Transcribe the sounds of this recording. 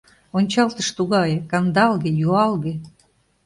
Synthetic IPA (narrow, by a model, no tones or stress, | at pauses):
onʲt͡ɕɑlt̪əʃt̪uɣɑjkɑnd̪ɑlɣejuɑlɣe